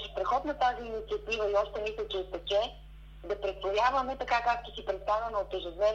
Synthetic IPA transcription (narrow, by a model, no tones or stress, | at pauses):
ʃpɾɛxɔt̪nɐt̪aziːnit̪siɐt̪ivɐiɔʃt̪ɛmisət͡ʃɛt̪ɐt͡ʃɛ | d̪ɐpɾɛt̪vojʲavɐmɛt̪ɐkakakt̪isipɾɛt̪st̪avʲɐnoot̪ɛʒod̪nɛ